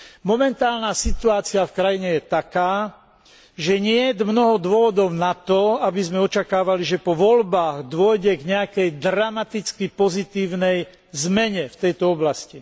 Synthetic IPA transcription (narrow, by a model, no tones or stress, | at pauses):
mɔmɛnt̪aːlnaːsit̪uaːt͡siafkɾajiɲɛjɛt̪akaː | ʒɛɲɪɛd̪mnɔɦɔd̪ʊɔʋɔd̪ɔʊnat̪ɔabizmɛɔt͡ʃakaːʋaliʒɛpɔʋɔlbaːɣd̪ʊɔjɟɛɡɲɛakɛjd̪ɾamat̪it͡skipɔzit̪iːʊnɛj | zmɛɲɛft̪ɛjt̪ɔɔblasci